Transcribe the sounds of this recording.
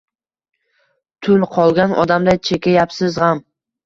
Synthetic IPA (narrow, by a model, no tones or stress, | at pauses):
t̪ʰʊlˠqʰɒlˠɡʲanʔɒ̰d̪amd̪at͡ʃʰekʲajapsɪzʁam